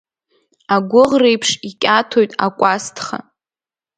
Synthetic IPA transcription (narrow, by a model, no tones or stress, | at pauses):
aɡʷʊʁrejpʰʂikʲʼatʰojtʼa̰kʷʼastʰχa̰